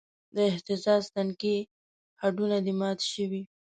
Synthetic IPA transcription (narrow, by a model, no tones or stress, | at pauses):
d̪əɪht̪ɪzɑzt̪anke | haɖunad̪imɑt̪ʃəwi